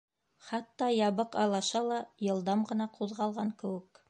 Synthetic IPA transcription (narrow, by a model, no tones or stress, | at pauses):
χɑt̪ːɑjɑβɤqɑlˠɑʃɑlˠɑjɤ̆lˠd̪ɑmʁɤ̆nɑqʰuðʁɑlˠʁɑŋkɘ̆wɘ̆k